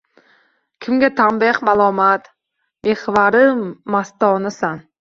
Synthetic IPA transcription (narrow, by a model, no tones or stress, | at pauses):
kʲʰɪmɡʲat̪ʰambehmalˠɒmat̪ | mehvaɾɪmast̪ɒnasan